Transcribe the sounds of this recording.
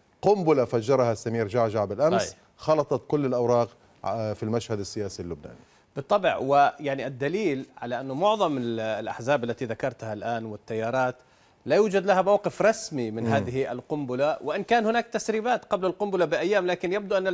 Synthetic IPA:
qʊmbʊlafad͡ʒːɑɾˤɑhasːamiːɾd͡ʒaʕʒaʕbɪlʔams | xɑlɑt̪ˤɑt̪kʊlːɪlʔawɾˤɑːq | filmaʃhad̪asːɪjaːsilːʊbna̰ːni | bɨt̪ˤːɑbʕwɪjaʕniʔad̪ːaliːlʕalaʔanːʊmʊʕðˤɑmɪllʔa̰ħzaːbalːat̪iðakɑɾˤt̪halʔaːnwɪt̪ːajːɑːɾˤɑːt̪ | lajuːd͡ʒad̪lahamawqɪfɾˤɑsmimɪnɦaːðɪhia̰lqʊmbʊlawɪʔɪnkaːnhʊnaːk̚t̪asɾiːbaːt̪qɑblalqʊmbʊlabɪʔajːaːmlaːkɪnjab̚d̪uʔanː

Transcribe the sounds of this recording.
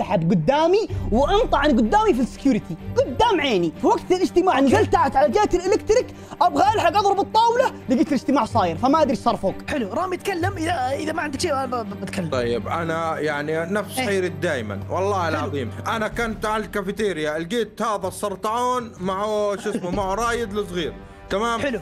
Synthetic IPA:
saħabɡʊd̪ːaːmiwɪʔɑnt̪ˤɑʕaniɡʊd̪ːaːmifisːɪ̥kjuːɾɪt̪iɡʊd̪ːaːmʕeːnifiwaɡt̪ɪlɪd͡ʒt̪ɪmaːʕɪnɡalt̪aʕat̪ʕalad͡ʒeːt̪ɪlʔɪlɪkt̪ɾɪk | ʔabɣaʔɪlħaɡʔɑðˤɾɑbɨt̪ˤːɑːwlalɪɡiːt̪ɪlɪd͡ʒt̪ɪmaːʕsˤɑːjɪɾfamaʔad̪ɾiʃsɑɾˤfoːkħɪluɾˤɑːmjɪt̪kalːamʔɪðaʔɪðamaʕɪnd̪ɪkʃeːabbɪt̪kalːt̪ˤɑjːɪbʔanajaʕninafsxeːɾɪd̪aːjma̰nwɑlˤːɑːhɪlʕɑðˤiːmʔanakant̪ʕallkafɪt̪eːɾɪjaɪlɡeːt̪haːðasˤɑɾˤt̪ˤɑʕoːnmaʕuʃɪsmumaʕuɾˤɑːjɪd̪lɪsˤɣiːɾ | t̪amaːmħɪlu

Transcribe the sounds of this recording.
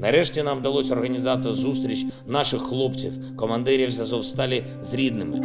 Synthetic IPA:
nɐɾɛʃtʲinɑmwd̪ɐlˠɔsʲɔrɦɐnʲizɑt̪ɪzust̪ɾʲit͡ʃnɑʃɪxːlˠɔpt͡sʲiw | kɔmɐnd̪ɛɾʲiwzɐzɔwst̪ɑlʲi | zɾʲid̪nɪmɪ̰

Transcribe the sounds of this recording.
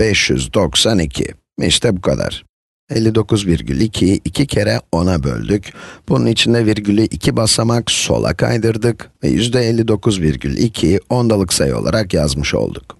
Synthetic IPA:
b̥ɛʃjyzd̪o̞ksanicʰḭ | mḭʃt̪ʰɛbukʰad̪a̰ɾ̥ | ɛlʲːid̪o̞kuzviɾɟʲylʲicʰiicʰicʰeɾɛo̞nabø̰lʲd̪ycb̥ununit͡ʃʰind̪ɛviɾɟylʲyʔicʰibasamakso̞̰lˠa̰kʰa̰jd̪ɯɾd̪ɯkvɛ̰jy̰zd̪ɛɛlʲːid̪o̞kʰuzviɾɟylʲicʰio̞nd̪alˠɯksajo̞̰lˠa̰ɾakjazmɯʃo̞̰lˠd̪uk

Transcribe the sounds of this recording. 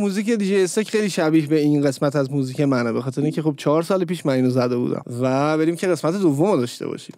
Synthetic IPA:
muːziːced̪iːd͡ʒejesst̪ecxejliːʃæbiːhbe̞inɢe̞smæt̪ʰæzmuːziːcemænbe̞xɒːt̪ʰe̞ɾeiŋcʰe̞xob̚t͡ʃʰɒɾsɒːlepiːʃmæniːnozæd̪e̞bṵd̪æ̰mvæbe̞ɾimcʰeɣe̞smæt̪ʰed̪ovːomod̪ɒːʃt̪ḛbɒ̰ʃi̥̰m

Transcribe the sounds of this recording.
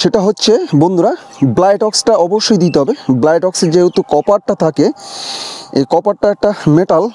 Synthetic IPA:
ʃeʈaɦotːɕʰebond̪uɾa | blajʈɔksʈaɔboʃːojd̪it̪eɦɔbeblajʈɔksed͡ʑeot̪okɔpaɖ̚ʈat̪ʰake | ekɔpaɖ̚ʈaɛk̚ʈameʈal

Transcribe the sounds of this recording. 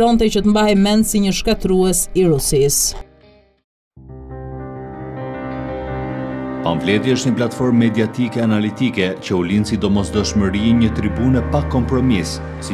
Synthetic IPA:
ɾɔnt̪ɛcət̪əmbahɛmɛnsiɲəʃkat̪ɾuɛsiɾusis | pa̰mvlɛt̪jiəʃt̪ɲəplat̪fɔɾmːɛd̪iat̪ikɛanalit̪ikɛcəulinsid̪ɔmɔsd̪ɔʃməɾiɛɲət̪ɾibunɛpakːɔmpɾɔmis | si

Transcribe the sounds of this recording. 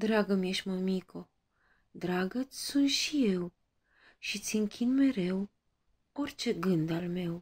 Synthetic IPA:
d̪ɾaɡəmjeʃməmikʰo | d̪ɾaɡət̪sʲsunt̪ʃije̞w | ʃit̪sʲɨŋkʲʰinme̞ɾe̞w | o̞rt͡ʃe̞ɡɨnd̪alme̞w

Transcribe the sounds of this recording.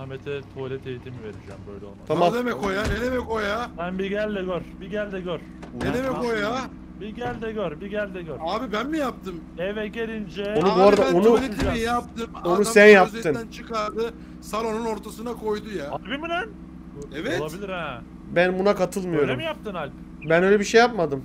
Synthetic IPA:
ahmet̪ʰɛt̪ʰolʲɛt̪ʰe̞jit̪ʰimive̞ɾid͡ʒɛ̰mbø̰jlʲɛolˠat̪ʰamad̪emɛkʰojanenemɛkʰo̞jabænbiɟælʲd̪ɛɟøɾbiɟælʲd̪ɛɟøɾ̥ | enemɛko̞ja | biɟælʲd̪ɛɟøɾbiɟælʲd̪ɛɟøɾaːbibænmijap̚t̪ʰɯmɛvɛt̪ɟelʲind͡ʒɛonuboɾad̪aonulijap̚t̪ɯmonuænjapzeɯnænt͡ʃʰɯkaɾd̪ɯ | salonuno̞ɾt̪ʰasɯnakʰo̞jd̪ujaakbiminɛn | ɛvɛtlˠabilʲiɾɛ | bænbunakat̪ʰɯlˠmɯjo̞ɾlmijap̚t̪ɯnalʲ | bænøjlʲɛbiʃejap̚mad̪ɯm

